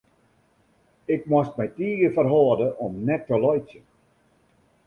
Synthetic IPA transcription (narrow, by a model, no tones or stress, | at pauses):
ɪkmwɔstmɛjtiːəɡəfərɦɔːdəʔɔmnɛtːəlɔjsjən